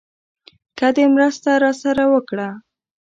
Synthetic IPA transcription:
kad̪emɾəst̪aɾɑsaɾawəkɽa

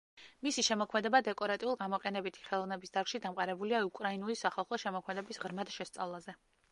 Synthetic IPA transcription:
misiʃɛmɔkʰmɛd̪ɛbad̪ɛkʼɔɾat̪ʼiulˠɡamɔqʼɛnɛbit̪ʰi̥χɛlˠɔvnɛbisd̪aɾɡ̥ʃid̪amqʼaɾɛbuliaukʼɾainulisaχalˠχɔʃɛmɔkʰmɛd̪ɛbisʁɾmad̪ʃɛst̪sʼavlˠazɛ

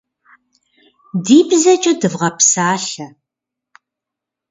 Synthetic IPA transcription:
diːbzɐt͡ʃʼɐdɨvʁɐpsaːɬɐ

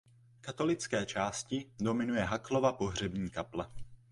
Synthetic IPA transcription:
kat̪o̞lɪt͡skɛːt͡ʃaːscɪdo̞mɪnujɛɦaklo̞vapo̞ɦr̝ɛbɲiːkaplɛ

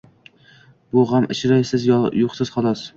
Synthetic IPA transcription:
bʊʁamʔɪʃɾajsɪzjoqsɪzχɒlˠɒs

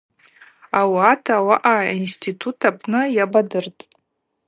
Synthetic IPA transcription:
awatʰawaʔainstʰitʰutʰapʰnɨjabadɨrtʼ

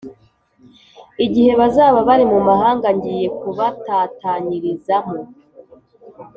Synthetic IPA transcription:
iɟihe̞βazaːβaβaɾimumahaːŋɡaɲɟije̞kuβatataɲiɾizamo

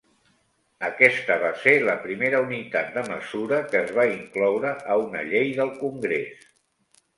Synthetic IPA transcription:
əkɛst̪əβ̞aseləpɾimeɾəunit̪at̪̚d̪əməzuɾəkəːzβaiŋklɔwɾəʔəunə̰ʎejðəlˠkuŋɡɾes

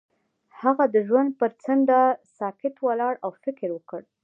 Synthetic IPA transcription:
haɣad̪əʒwand̪̚pəɾt͡sənd̪asɑkɪt̪walɑɽawfɪkɾwəkəɽ

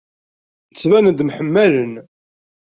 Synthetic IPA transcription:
t͡sːvænəd̪mħəmːælən

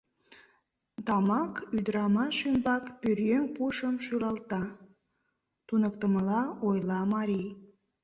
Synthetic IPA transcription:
t̪ɑmɑkyd̪əɾɑmɑʃymbɑkpyrjøŋpuʃəmʃylɑlt̪ɑ | t̪unək̚t̪əməlɑojlɑmɑɾij

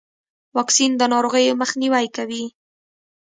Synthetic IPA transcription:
wɑksind̪ənɑɾoɣəjməxniwajkawi

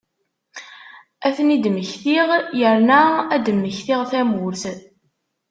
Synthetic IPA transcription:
æθənid̪məçθiʁjəɾnææd̪əmːəçθiʁθæmʊɾθ

